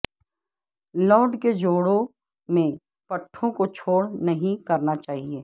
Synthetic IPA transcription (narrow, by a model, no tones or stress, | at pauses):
lɔːɖked͡ʒoːɽõ | mẽ | pɐʈʰːõkot͡ʃʰoːɽnɐɦĩkɐɾnat͡ʃaːɦieː